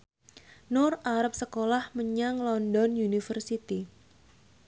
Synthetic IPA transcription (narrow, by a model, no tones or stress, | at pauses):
nʊraɾap̚səkolahməɲaŋlɔndɔnjunifərsit̪i